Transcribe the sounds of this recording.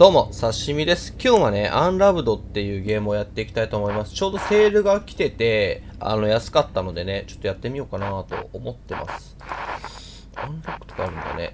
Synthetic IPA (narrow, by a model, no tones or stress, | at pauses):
d̪̥o̞mo̞saɕimʲid̪e̞sɨ̥kʲo̞ːβane̞ʔãnɾabɯ̟d̪o̞t̪ːe̞jɯ̟ːɡe̞ːmɯ̟ojat̪ːe̞ikʲi̥t̪ait̪oːmo̞imasɨ̥t͡ɕo̞ːd̪o̞se̞ːɾɯ̟ɡakʲi̥t̪e̞t̪e̞a̰no̞jasɨ̥kat̪ːano̞d̪e̞ne̞t͡ɕo̞̥t̪ːojat̪ːe̞mʲio̞ːkanat̪o̞̰omo̞t̪ːe̞mʔa̰sɨ̥ | ãnɾakɯ̥t̪o̞̥kaːɾɯ̟̃nd̪a̰nḛ